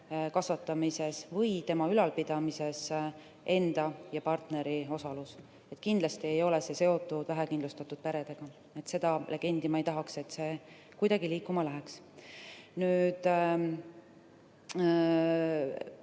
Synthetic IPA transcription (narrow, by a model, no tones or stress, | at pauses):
kɑsvɑt̪ːˑɑmise̞svɤjt̪e̞mɑylɑlpid̪̥ɑmise̞s | ʔe̞nd̪̥ɑjɑpɑrt̪ne̞ɾio̞sɑlus | e̞t̪ːˑkind̪lɑst̪ie̞jo̞le̞se̞se̞o̞t̪ːˑud̪væɦɛkind̪lust̪ɑt̪ːˑud̪̥̚peɾe̞d̪̥e̞ɡ̥ɑ | e̞t̪se̞d̪̥ɑlʔe̞ɡ̥e̞nd̪̥imɑejt̪ɑɦɑkse̞t̪se̞ː | kujd̪ɑɡiliːkːˑumɑlæɦeks | nyːd̪̥